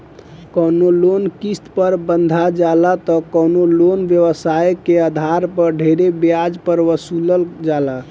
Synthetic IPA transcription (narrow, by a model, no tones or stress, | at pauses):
kənolonkist̪pəɾbənd̪ʱad͡ʒalat̪ɔkənolonʋjəʋəsajkeəd̪ʱaɾpəɾɖʱeɾebjad͡ʒpəɾʋəsuləld͡ʒala